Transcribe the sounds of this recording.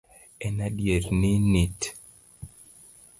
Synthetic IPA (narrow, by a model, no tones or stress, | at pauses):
ɛnaɗjeɾninit